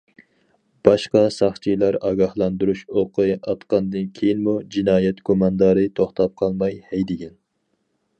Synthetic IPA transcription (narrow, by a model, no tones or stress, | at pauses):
b̥ɑʃqɑsɑχt͡ʃʰijlˠæɾɑɡʲɑhlˠɑnd̪uɾuʃoqʰɨɑt̪qɑnd̪ɨnkʲʰejinmud͡ʒinɑːjɛt̪kʰomɑnd̪ɑɾɨt̪ʰoχt̪ʰɑp̚qʰɑlˠmɑjhɛjd̪ɪɡʲɛn